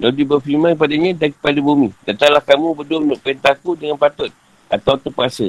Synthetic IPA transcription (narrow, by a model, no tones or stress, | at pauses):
ladibəfimãnkəpadaɲãdankə̥padabumĩdat̪aŋlahkamũbədʊmənʊʔpent̪akudəŋanpat̪ʊt̪̚ | ʔat̪awt̪əpəasə